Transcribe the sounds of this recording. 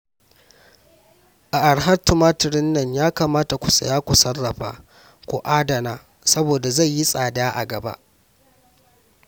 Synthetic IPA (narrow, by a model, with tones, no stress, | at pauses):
ʔa˨ʔa˨ɽɦa˦tʊ˨maː˦tɪ˨ɾɪ˦nːɐ˦ɲjaː˦kaː˨maː˦ta˨kʷʊ˨sɐ̰˨jaː˦kʷu˨sɐ˦rːɐ˨ɸa̰ː˨ | kʷṵ˨ʔaː˦dɐ˨naː˦ | sɐ˦boː˨da˨za˦˨jji˦sʼaː˨daː˦ʔa̰˨ɡɐ˨ba̰˦ʔ